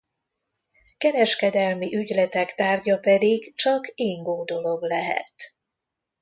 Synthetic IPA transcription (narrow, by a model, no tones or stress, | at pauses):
kɛɾɛʃkɛd̪ɛlmiʔyɟlɛt̪ɛkt̪aːrɟɒpɛd̪iɡt͡ʃɒkeːŋɡoːd̪o̞lo̞ɡlɛɦɛ̰t̪